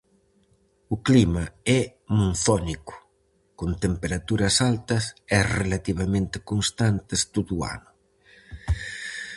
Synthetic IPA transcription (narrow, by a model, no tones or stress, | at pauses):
ʊklimɐɛmunθɔnikʊ̥ | kont̪empeɾat̪uɾɐsalt̪ɐsɛrelat̪iβɐmẽnt̪ɪkonst̪ant̪est̪oðua̰nʊ